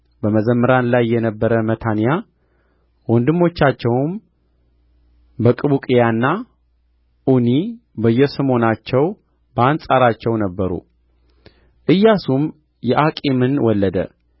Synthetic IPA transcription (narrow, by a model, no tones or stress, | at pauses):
bəməzəmːəɾanlajːɛnəbːəɾəmət̪ʰanja | wɔnd̪ɨmːo̞t͡ʃːat͡ʃːɛwm | bəkʼɨβukʼijanːa | ʔuni | bəjːɛsəmo̞nat͡ʃːɛw | bəansʼaɾat͡ʃːɛwnəbːəɾṵ | ʔɨjːasum | jɛʔakʼemɨnwɔlːəd̪ə̰